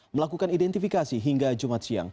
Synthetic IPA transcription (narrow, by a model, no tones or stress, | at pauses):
məlakukanidɛnt̪ifikasiɦiŋɡad͡ʒumat̪̚sia̰ŋ